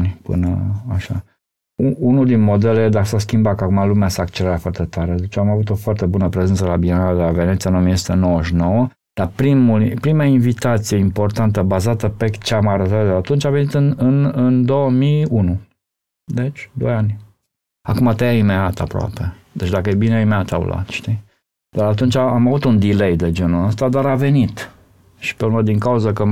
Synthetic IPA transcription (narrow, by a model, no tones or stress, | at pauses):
nʲpɨ̰nəaʃa̰ | uunuld̪inmo̞d̪e̞led̪akəsaskʲimbat̪kakumalumeaseakt͡ʃelɾat̪foart̪e̞t̪aɾe̞d̪e̞t͡ʃamavut̪o̞foart̪e̞bunəpɾe̞zent̪səelabinad̪elave̞net̪sijanomiesu̥t̪enowəʃino̞wə | d̪̥apɾimulpɾimainvit̪at̪sije̞impo̞rt̪ant̪əbazat̪əpe̞t͡ʃeamaɾət̪at̪d̪eat̪unt͡ʃʲave̞nit̪ɨnɨnɨnd̪o̞wəmiunu | d̪e̞t͡ʃʲd̪o̞̰janʲ | akumat̪ejaimeat̪a̰pɾoa̰pe̞ | d̪e̞t͡ʃʲd̪akəjejbineaimeat̪a̰wṵla̰t̪ʃt̪i | d̪̥aɾat̪̬unt͡ʃaamavut̪und̪ile̞jd̪e̞d͡ʒenuəst̪ad̪aɾave̞nit̪ | ʃi̥peuɾməd̪iŋkauzəkə